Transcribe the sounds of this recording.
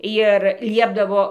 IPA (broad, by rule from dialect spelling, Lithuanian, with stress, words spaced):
jɪr ˈlʲiɛbdɐʋoː